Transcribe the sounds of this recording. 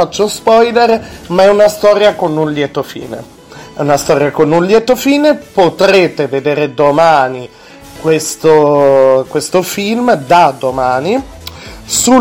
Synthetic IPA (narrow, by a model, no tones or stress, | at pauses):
at͡ʃːospɔjd̪eɾmaɛunast̪ɔːɾjakonːunljɛt̪ofḭːnḛ | ɛunast̪ɔːɾjakonːunljɛt̪ofiːnepot̪ɾeːt̪eved̪eːɾed̪omaːni | kwest̪okwest̪ofilmd̪ad̪omaːni | su